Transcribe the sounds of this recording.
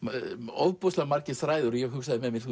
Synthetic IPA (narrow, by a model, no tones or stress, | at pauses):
ɔðpɔslamaɾcɪθɾaːjðʏɾjɛɣɦʏksaðɪmɛðmɪɾθu